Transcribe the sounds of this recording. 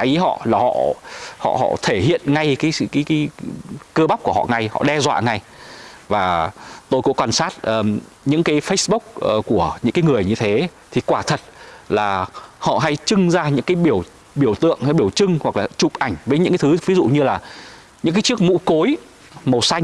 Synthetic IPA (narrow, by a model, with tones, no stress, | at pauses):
ʔə˨˦jɦɔ̰˧˨laː˨˩hɔ̰˧˨hɔ̰˧˨hɔ̰˧˨t̪ʰe˧˩hḭ˧˨ənŋa˧jkaː˨˦jsɨ̰˧˨kːjkːkəː˧ɓa˦˥k͡p̚ku˧˩əhɔ̰˧˨ŋa˨˩jhɔ̰˧˨ɗɛ˧zwa̰ː˧˨ŋa˨˩jvaː˨˩t̪o˧jkʊ̰˧˥kwaː˧nsaː˦˥t̚ʔəː˨˩ | ɲɨ̰˧˥ŋkaː˨˦jfə˦˥jsɓʊ˦˥k͡p̚ːku˧˩əɲɨ̰˧˥ŋkaː˨˦jŋɨ˨˩əjɲɨ˧t̪ʰe˨˦t̪ʰi˨˩kwaː˧˩t̪ʰə˨˩t̚laː˨˩hɔ̰˧˨ɦa˧jt͡ɕɨ˧ŋzaː˧ɲɨ̰˧˥ŋkaː˨˦jɓi˧˩əw | ɓi˧˩əwt̪ɨ̰˧˨əŋha˧jɓi˧˩əwt͡ɕɨ˧ŋhwa˨˩k̚laː˨˩t͡ɕʊ˨˩k͡p̚ʔa˧˩jŋ̟vəː˨˦ɲɨ̰˧˥kːa˨˦t̪ʰɨ˨˦vi˨˦zṵ˧˨ɲɨ˧laː˨˩ | ɲɨ̰˧˥ŋkaː˨˦jt͡ɕɨ˦˥ək̚mṵ˧˥ko˨˦j | mo˨˩sa˧j